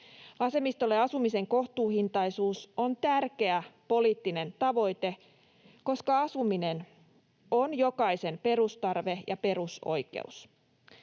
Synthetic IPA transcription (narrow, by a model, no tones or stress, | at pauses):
ɑse̞mist̪o̞lːeɑsumise̞ŋko̞ht̪uːhint̪ɑjsuːsont̪ærke̞æpo̞liːt̪ːine̞nt̪ɑʋo̞jt̪e̞ | ko̞skɑɑsumine̞n | onjo̞kɑise̞mpe̞rust̪ɑrʋe̞jʔɑ̰pe̞ɾuso̞̰jkḛṵs